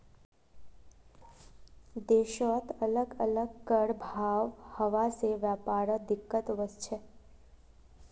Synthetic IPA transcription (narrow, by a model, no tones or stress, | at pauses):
d̪eʃɔt̪ələɡələɡkəɽbʱaʋhəʋaseʋjapaɾəd̪ɪkːət̪ʋəst͡ʃʰe